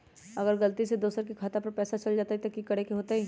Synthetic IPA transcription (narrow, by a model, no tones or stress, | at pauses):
ɐɡəɾɡɐlt̪ised̪oːsəɾk̬ikʰaːt̪apɐɾpɛːsat͡ʃɐld͡ʒaːt̪aɦit̪okikɐɽekeɦoːt̪aɦi